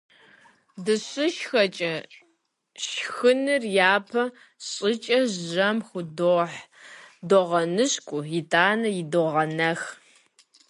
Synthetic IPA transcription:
dɨɕʼɨʃxɐt͡ʃʼɐ | ʃxɨnɨrjaːpʰɐ | ɕʼɪt͡ʃʼɐʑʑɐmxʷʊdoħdoʁɐnɨɕkʷʼʊjɪtʰʼaːnɐjɪdoʁɐnɐx

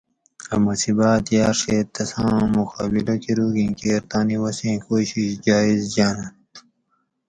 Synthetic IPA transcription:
ɐmɐsibaːt̪jaːɾʂeːt̪ːɐsãːmuxaːbilokiɾuːɡĩkeːɾt̪aːniwɐsĩkoːɕiɕd͡ʑaːizd͡ʑaːnɐ

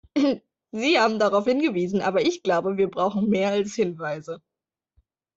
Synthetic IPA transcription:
ziːhaːbm̩daʁaʊfhɪnɡəviːzn̩ʔa̰ːbɐɪçɡ̥laʊbəviːɐbʁaʊxn̩meːɐalshɪnvaɪzə

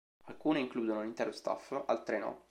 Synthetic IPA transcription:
alkuːneiŋkluːd̪onolint̪ɛːɾost̪a̰falt̪ɾɛːno̰

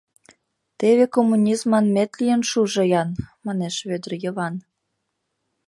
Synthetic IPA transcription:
t̪eβekomːunʲizmɑnmet̪lijənʃuʒɤ̆jɑnmɑneʃβød̪ərjə̆βɑn

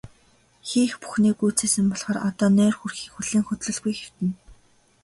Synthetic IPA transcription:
xiːxpu̥xniːɡujt͡seːsɘ̆mpɔɮχɔːrɔt̪ɔːnæːrxurxiːkxuɮiːŋxɵt̪ɮɵ̆ɮɣujxer̥t̪ɘ̆n

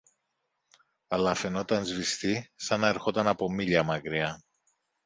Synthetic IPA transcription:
ɐlɐfe̞no̞t̪ɐnzvist̪isɐnɐeɾxo̞t̪ɐnɐpo̞miʎɐmɐkɾiɐ

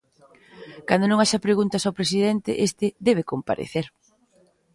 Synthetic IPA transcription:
kand̪onõŋaʃapɾeɣunt̪ɐsawpɾes̬iðent̪ɪ̰ʔest̪ɪd̪ɛβ̞ekompa̰ɾḛθeɾ

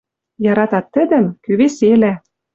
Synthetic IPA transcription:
jɑɾɑt̪ɑt̪ːə̆d̪ə̆mkyβeselæ

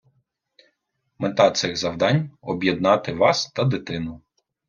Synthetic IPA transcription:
met̪ɑt̪sɪɣzɐwd̪ɑnʲɔbʲjed̪nɑt̪ɪʋɑst̪ɐd̪ɪt̪ɪnʊ

